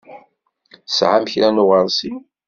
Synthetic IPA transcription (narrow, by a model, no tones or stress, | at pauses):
sʕamçɾænʊʁəɾˤsi